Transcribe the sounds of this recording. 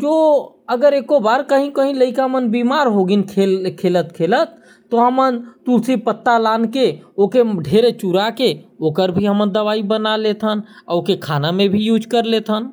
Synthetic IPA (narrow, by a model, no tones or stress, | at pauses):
d͡ʒo | əɡəɾekobaɾkəɦĩkəɦĩləikaɦmənbimaɾɦoɡinkʰelkʰelət̪kʰelət̪̚ː | ɔɦəmənt̪usipət̪ːalankeokeɖʱeɾet͡ʃuɾakeokəɾbʱiɦəmənd̪əʋaibənalet̪ɦəna̰okekʰanamẽbʱijud͡ʒkəɾlet̪ʰɦən